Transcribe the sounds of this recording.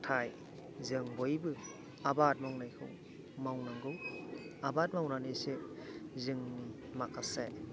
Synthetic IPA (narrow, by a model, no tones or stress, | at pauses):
tʰaj | zɯŋbɔjbɯ | abat̚mawnajkʰɯ̰w | mawnaŋɡɯwabat̚mawnanesezɯŋni | makʰase